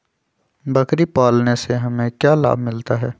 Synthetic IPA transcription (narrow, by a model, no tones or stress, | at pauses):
bɐkɾipaːlneseɦɐmẽkjaːla̰ːbmɪlt̪aɦɛː